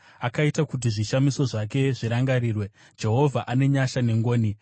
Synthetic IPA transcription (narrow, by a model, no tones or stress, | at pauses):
akaitakut̬iʐiʃamiso̞ʐake̞ʐiɾaŋɡaɾiːrwe̞ | d͡ʒe̞ɦo̞vʱaʔane̞ɲaʃane̞ŋɡoːni